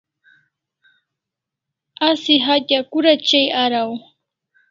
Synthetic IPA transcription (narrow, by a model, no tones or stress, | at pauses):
asɪɦat̪akʊɾat͡ʃajaɾaw